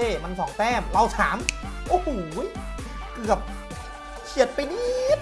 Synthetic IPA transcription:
eː˧˩ma˧nsɔː˩˦ŋt̪ɛː˥˩mɾa˧wt̪ʰaː˩˦mʔo˧˩huː˨˩˦j | kɯ˨˩əp̚ | kʰi˨˩ə˩t̪̚pa˧jniː˦˥t̪̚

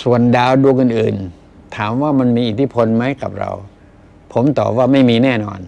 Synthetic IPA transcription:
su˨˩əndaː˧wdu˧ŋʔɯ˨˩nʔɯː˨˩n | t̪ʰaː˩˦mwaː˥˩ma˧nmiː˧ʔi˨˩t̪ʰi˥˩pʰo˧nma˦˥jka˨˩p̚ɾa̰˧w | pʰo˩˦mt̪ɔ̰ː˨˩p̚waː˥˩ma˥˩jmiː˧nɛː˥˩nɔ̰ː˧n

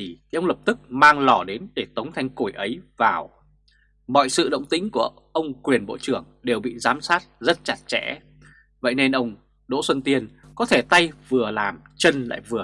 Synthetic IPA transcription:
ə˧wŋ͡mlə˨˩p̚t̪ɨ˦˥k̚maː˧ŋlɔ˧˩ɗe˨˦nɗe˧˩t̪ə˨˦wŋ͡mt̪ʰa˧jŋ̟ku˧˩jʔə˨˦jvaː˨˩w | mɔ̰˧˨jsɨ̰˧˨ɗə̰˧˨wŋ͡mt̪ï˨˦ŋ̟ku˧˩ə | ʔə˧wŋ͡mkwi˨˩ənɓo̰˧˨t͡ɕɨ˧˩əŋɗe˨˩wɓḭ˧˨zaː˨˦msaː˦˥t̚zə˦˥t̚t͡ɕa˨˩t̚t͡ɕɛ̰˧˥ | və̰˧˨jne˧nʔə˧wŋ͡m | ɗo̰˧˥swə˧nt̪i˧ən | kɔ˨˦t̪ʰe˧˩t̪a˧jvɨ˨˩əlaː˨˩mt͡ɕə˧nla̰ː˧˨jvɨ˨˩ə

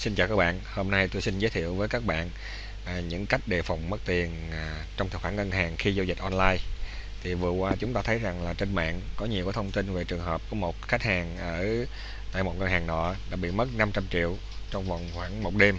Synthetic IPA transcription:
si˧nt͡ɕaː˨˩kaː˦˥k̚ɓa̰ː˧˨nho˧mna˧jt̪o˧jsi˧nzəː˨˦t̪ʰḭ˧˨əwvəː˨˦jkaː˦˥k̚ɓa̰ː˧˨n | ʔɲɨ̰˧˥ŋka˦˥jk̟̚ɗe˨˩fa˨˩wŋ͡mmə˦˥t̚t̪i˨˩ən˩ | t͡ɕɔ˧wŋ͡mt̪ʰɨ̰˨˩xwaː˧˥˩ŋə˧nɦaː˨˩ŋxi˧zo˧wzï˨˩t̟̚ʔɔ˧nlaː˧j | t̪ʰi˨˩vɨ˨˩əkwaː˧t͡ɕʊ˨˦ŋ͡mt̪aː˧t̪ʰə˨˦jza˨˩ŋlaː˨˩t͡ɕe˧nma̰ː˧˨nkɔ˨˦ɲi˨˩wku˨˦t̪ʰwŋ͡mt̪i˧nve˨˩t͡ɕɨ˨˩əŋɦəː˨˩p̚kɔ˨˩˦mo˨˩t̚xa˦˥jk̟̚haː˨˩ŋʔəː˧˩ | t̪a̰ː˧˨jmo˨˩t̚ŋə˧nhaː˨˩ŋɗɔ̰˧˥ɗa̰ː˧˥ɓḭ˧˨mə˦˥t̚na˧mt͡ɕa˧mt͡ɕḭ˧˨əw | t͡ɕɔ˧wŋ͡mva̰˨˩wŋ͡mxwaː˧˩ŋmo˨˩t̚ɗe˧m

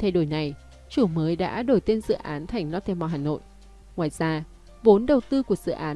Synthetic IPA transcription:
t̪ʰe˧ɗo˧˩jna˨˩j | t͡ɕu˧˩məː˨˦jɗa̰ː˧˥ɗo˧˩jt̪e˧nzɨ̰˧˨ʔaː˨˦nt̪ʰa˨˩jŋ̟nɔ˧t̪ʰe˧mɔ˧˨˧ɦaː˨˩no̰˧˨jʔ | ŋwaː˧˨jzaː˧ | vo˨˦nɗə˨˩wt̪ɨ˧ku˧˩əz̥ɨ̰˧˨ʔaː˨˦

